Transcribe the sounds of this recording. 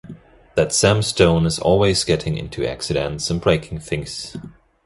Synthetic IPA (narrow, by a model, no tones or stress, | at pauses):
ðɨtsæ̃mstõʊ̃nɨzɔ̰lˠwizɡɛɾɪ̃ŋɪ̰̃ntʰʉæ̰ksɨɾɨ̃ntsə̃nbɹeɪkʰɪ̃ŋθɪ̃ŋs